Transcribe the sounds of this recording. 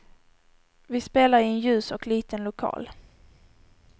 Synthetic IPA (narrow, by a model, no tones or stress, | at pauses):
vɪspeːlaɾɪɛnjʉ̟ːsɔkliːt̪ənlʊkʰɑ̰ːl